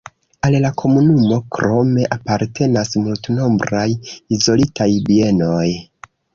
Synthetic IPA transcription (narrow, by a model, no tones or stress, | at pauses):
allakʰo̞munumo̞kɾo̞me̞ʔapaɾtʰe̞nasmultno̞mbɾajizo̞litajbie̞no̞j